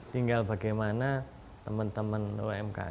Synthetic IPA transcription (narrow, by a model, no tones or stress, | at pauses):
t̪iŋɡalba̤ɡajmana | t̪əmənt̪əmənṵɛmka̰